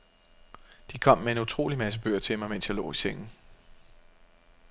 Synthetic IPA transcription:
d̥ikʰɒ̽m̰ːee̝nut͡sʰʁo̝̰ːlimæs̬əb̥ø̰ɐ̰t͡sʰe̝lmɑ̈ɪmen̰sjɑɪlɔ̰ːiseŋ̰n̩

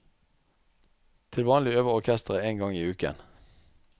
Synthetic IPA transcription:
t̪ʰɪlʋɑːnlɪøːʋəʁɔʁkʰɛst̪əʁəːeːŋɡɑŋiːʉːkə̰n

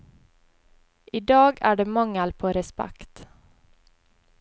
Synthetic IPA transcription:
ʔiːd̪ɑːɡæ̰ːɖeːmɑŋəlpʰoːɾɛspæ̰kt̪

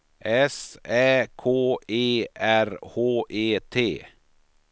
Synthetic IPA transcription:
ʔɛsɛːkʰoːeːʔæɾhoːʔeːt̪ʰeː

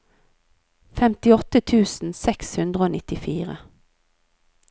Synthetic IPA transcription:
fɛmt̪ɪɔt̪ət̪ʰʉːsn̩sɛkshʉnd̪ʁəoːnɪt̪ɪfiːʁə̰

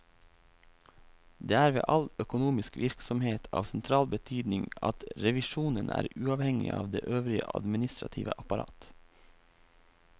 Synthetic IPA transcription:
d̪eːæːɾʋḛːʔɑlœkʊnuːmɪskʋɪɾksɔmheːt̪ʰɑːʋsɛnt̪ʰɾɑːlbət̪ʰyːd̪nɪŋɑ̰t̪ɾɛʋɪʃuːnənʔæ̰ːɾʉːɑʋhɛŋɪ̰ʔɑːʋd̪ḛːʔøːʋɾɪəʔɑ̰d̪mɪnɪst̪ɾɑt̪ʰḭːʋə̰ʔɑpɑɾɑ̰ːt̪

